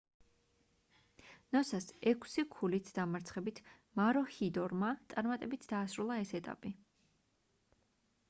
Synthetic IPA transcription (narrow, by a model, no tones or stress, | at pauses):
nɔsasɛkʼʰsikʰulit̪ʰd̪̥amaɾt̪sʰχɛbit̪ʰ | maɾɔhid̪ɔɾmat̪sʼaɾmat̪ʼɛbit̪ʰd̪aːsɾulˠaɛsɛt̪ʼa̰pʼi